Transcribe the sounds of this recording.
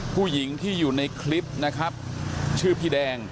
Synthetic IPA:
pʰuː˥˩ji˩˦ŋt̪ʰiː˥˩juː˨˩na˧jkʰli˦˥p̚na˦˥kʰɾa˦˥p̚ | t͡ɕʰɯː˥˩pʰiː˧dɛː˧ŋ

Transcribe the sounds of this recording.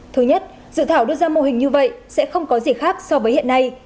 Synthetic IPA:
t̪ʰɨ˨˦jɲə˦˥t̚ | zɨ̰˧˨t̪ʰaː˧˩wɗɨ˧zaː˧mo˧ɦï˨˩ŋ̟ɲɨ˧və̰˧˨jsɛ̰˧˥xə˧wŋ͡mkɔ˨˦zi˨˩xaː˦˥k̚sɔ˧vəː˨˦jhḭ˧˨ənːa˧j

